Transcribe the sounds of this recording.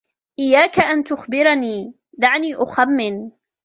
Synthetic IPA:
ʔɪjːaːkaʔant̪ʊxbɪɾaniː | d̪aʕniːʔʊxamːɪn

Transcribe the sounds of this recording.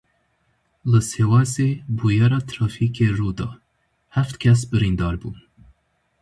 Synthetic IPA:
ləsewɑsebujaɾɑt̪ʰɾɑfikʰeɾud̪ɑ | haft̪kʰʲas̬bəɾind̪ɑɾbun

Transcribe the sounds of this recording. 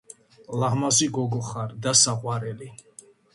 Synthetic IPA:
laɦmaziɡɔɡɔχaɾd̪asaqʼwaɾɛli

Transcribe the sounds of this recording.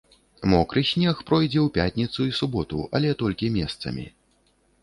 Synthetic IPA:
mɔkɾɨsʲnʲɛxpɾɔjd͡zʲɛwpʲat̪ʲnʲit̪suisubɔt̪ṵʔɐlʲɛt̪ɔlʲkʲimʲɛst̪sɐ̰mʲḭ

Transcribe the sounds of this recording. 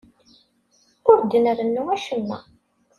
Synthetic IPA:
ʊɾd̪ənəɾənːuwæʃəmːæ̰

